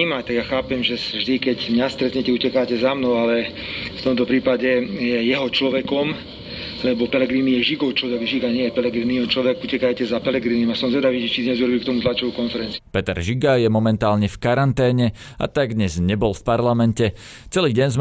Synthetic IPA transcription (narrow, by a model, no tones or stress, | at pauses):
imat̪aɡjaxaːpɛmʒɛsʒd̪ikɛɟmɲast̪ɾɛt̪ɲɛcɛucɛkaːcɛzamnɔʊalɛ | ft̪ɔmt̪ɔpɾiːpaɟɛjɛjɛɦɔt͡ʃlɔʋɛkɔm | lɛbɔpɛlɛɡɾiːnijɛʒiɡɔʊt͡ʃlɔʋɛɡʒiɡaɲɛjɛpɛlɛɡɾiːniɛɔt͡ʃlɔʋɛɡucɛkajcɛzapɛlɛɡɾiːnimasɔmzʋɛd̪aʋiːd͡ʒɛt͡ʃid̪ɲɛzuɾɔbiːkt̪ɔmut̪lat͡ʃɔʋukɔnfɛɾɛnt͡siupɛt̪ɛɾʒiɡajɛmɔmɛnt̪aːlɲɛfkaɾant̪ɛːɲɛ | a̰t̪aɡ̚d̪ɲɛzɲɛbɔlfpaɾlamɛncɛ | t͡sɛliːɟɛnz